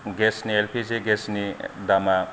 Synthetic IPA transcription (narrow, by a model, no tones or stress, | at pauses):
ɡesnielpʰizeɡesnidama